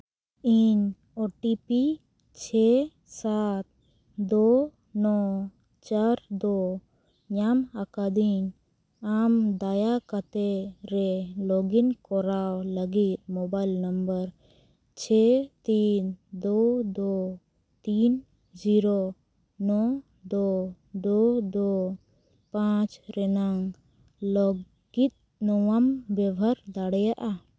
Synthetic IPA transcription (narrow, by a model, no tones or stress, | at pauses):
iɲ | ɔʈipi | t͡ʃʰɛ | sat̪̚ | d̪ɔ | nɔ | t͡ʃaɾd̪ɔ | ɲamakad̪iɲ | amd̪ajakat̪ɛɾɛlɔɡinkɔɾawləɡit̪̚mɔbajlnəmbəɾ | t͡ʃʰɛt̪ind̪ɔd̪ɔ | t̪in | d͡ʒiɾɔ | nɔ | d̪ɔ | d̪ɔd̪ɔ | pãt͡ʃɾɛnaŋ | lɔ | ɡ̥it̪̚ | nɔwambɛbʱaɾd̪aɽɛjaʔa